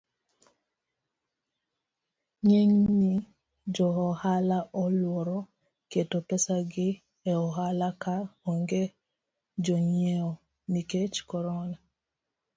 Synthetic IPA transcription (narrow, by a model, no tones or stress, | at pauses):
ɲeŋni | d͡ʒɔɦɔhalaʔɔlwɔɾɔ | ketopɛsaɡɪ | ɛɔɦalakaoŋɡe | d͡ʒɔɲieɔ | niket͡ʃkɔɾɔna